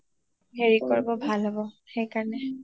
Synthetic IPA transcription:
ɦeɹikɔɹbɔbʱalɦɔbɔ | xejkaɹnɛ

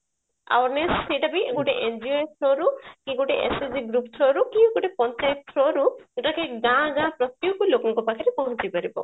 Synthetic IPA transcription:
a̰wɾneseʈabiɡuʈeʔend͡ʒiet̪ʰɾɔɾukĩɡuʈeʔeseziɡɾup̚t̪ʰɾɔɾukĩũɡoʈepɔ̃nt͡ʃajt̪ʰɾɔɾueʈakeɡãɡãpɾɔt̪jukulokɔŋkɔpakaɾipɔɦɔ̃t͡ʃipaɾibɔ̰

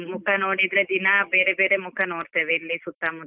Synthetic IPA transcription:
mukʰɐnoːɽid̪ɾed̪inɐbeːɾebeːɾemukʰɐnoːɽt̪ɐd̪eilːisut̪ːamu

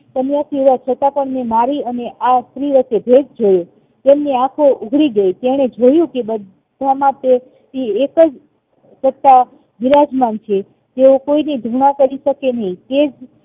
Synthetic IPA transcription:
t̪əmjasiʋat͡ʃʰət̪apəɳmẽmaɾiəneʔast̪ɾiʋət̪ːebʱed͡ʒd͡ʒojo | t̪emniãkʰouɡʱɭiɡəjt̪eɽ̃ed͡ʒojũkebəd̪ʱ | amãt̪e | iekəd͡ʒ | sət̪ːa | ʋiɾad͡ʒmant͡ʃʰe | t̪eokoinid̪ʱuɳ̃ãkəɾiʃəkenəɦĩt̪ed͡ʒ

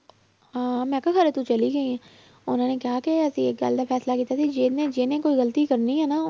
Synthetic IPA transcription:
ãːmɛ̃ːkakʰɐɾet̪ut͡ʃɐliɡɐiɛ̃ | ʊn̤õːnekjaːkeɛːsieːk̚ɡa̰ːld̪afʰɛːslakiːt̪at̪ʰid͡ʒeːnẽd͡ʒeːnẽkoːiɣɐlət̪ikɐɾniɦɛːna

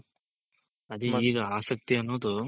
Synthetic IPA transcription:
ɐd̪iiːɡɐaːsɐk̚t̪iɐnːoːd̪u

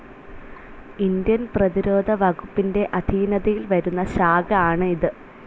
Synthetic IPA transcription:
ind̪jɐnprɐðiɾo̞ːd̪ʱɐʋɐɡupːinde̞ʔɐd̪ʱiːnɐðɐjilʋɐɾunːɐɕaːɡɐaːɳɨiðɨ

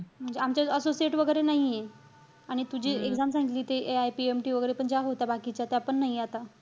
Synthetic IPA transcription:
m̤əɳd͡zeamt͡ɕaəsosieʈʋəɡəjɾenaɦije | aɽ̃it̪ud͡ʑʱiːekd͡zamsãŋɡit̪liːt̪eʔeajpiemʈiːʋəɡəjɾepəɳd͡ʑaɦot̪abakit͡ɕat̪eapəɳːaɦieat̪a

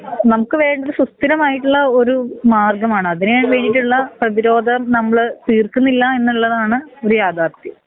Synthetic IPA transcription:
nɐmukːɨʋe̞ːɳɖɐðɨsust̪ːiɾɐmaːjiʈːuɭːɐo̞ɾumaːrɡɐmaːɳɨɐðinejaːɳʋe̞ːnːiʈːuɭːɐprɐðiɾo̞ːd̪ʱɐmnɐmːɐɭɨt̪iːrkunːilːɐe̞nːuɭːɐðaːɳɨo̞ɾujaːd̪aːt̪ːi

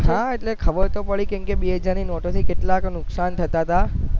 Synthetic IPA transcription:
ɦãeʈlekʰəʋəɾt̪opəɭikẽmkebied͡ʒaninoʈot̪ʰikeʈlaknʊksant̪ʰət̪at̪a

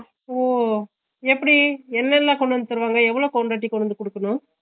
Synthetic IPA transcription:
oː | ɛpːɐɽiɛnːɐlːãkɔɳɖɯʋɐnd̪ɯt̪ɐɾɯʋaːŋɡɐɛʋːɐɭoːkɔɳɖɾaːʈ̬ːikɔɳɯnd̪ɯkɔɽɯkːɐnʊ̃

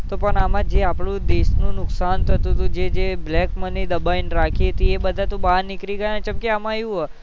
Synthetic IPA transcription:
t̪opəɳamãd͡ʒeapɽũd̪esnũnʊksant̪ʰət̪ũt̪ũd͡ʒed͡ʒeblɛkmənid̪əbainɾakʰiɦət̪iebəd̪ʱat̪ũbanikɾiɡəjanet͡ʃəmkiamãjũɦɔ

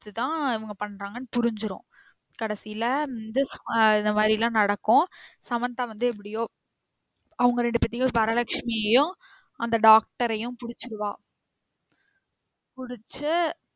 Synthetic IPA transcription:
t̪ːɯt̪ãːɪʋɐŋɡɐpɐɳːɾaːŋɡɐnːɯpʊɾɪɲd͡ʒɯɾõ̰ | kɐɽɐsɪjɪlɐɐnd̪ɯsɪnd̪ɐmaːd̪ɾilãːnɐɽɐkːʊ̃sɐmɐnt̪ãʋɐnd̪ɯɛp̬ːɐɽɪjoː | ɐʋɐŋɡɐɾɛɳɖɯpɐt̪ːɪjʊ̃pɐɾɐlɐkʂmɪjɐjʊ̃ | ʔɐnd̪ɐɖaːk̚ʈɐɾɐjʊ̃pʊɽɪt͡ʃːɯɾɯʋãː | pʊɽɪt͡ʃːɯ

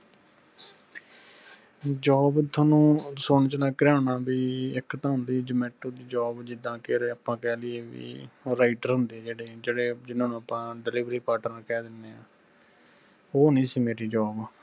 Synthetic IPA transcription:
d͡ʒɔːbt̪ʰoːnũːsoːɳt͡ʃəlãːkəɾaːnaːbiːɪkt̪ãːɦʊnd̪iːd͡ʒəmɛːʈoːd̪iːd͡ʒɔːbd͡ʒɪd̪ãːkeːɾeːəpãːkɛːlɪeːʋḭːɾaːɪʈəɾɦʊ̃nd̪eːd͡ʒeːɽeːd͡ʒeːɽeːd͡ʒɪnãːnũːəpãːɖɪliːʋɾiːpaːɾʈəɾakɛːd̪ɪnːeːaː | oːnĩːsiːmeːɾiːd͡ʒɔːb

